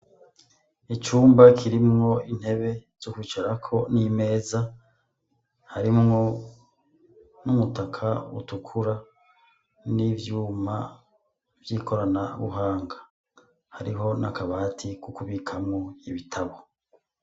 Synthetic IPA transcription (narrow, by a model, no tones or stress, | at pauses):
it͡ʃuːmbakʰiɾimŋo̞in̥he̞βe̞z̥ukuit͡ʃaɾakʰo̞nime̞ːza | haɾimŋo̞ | numutakʰaṵtukʰuɾa | nivjuːma | vjiːkʰo̞ɾanaβṵɦaːŋɡa | haɾiɦo̞na̰kaβaːtʰikukuβikʰamŋoiβitʰaβo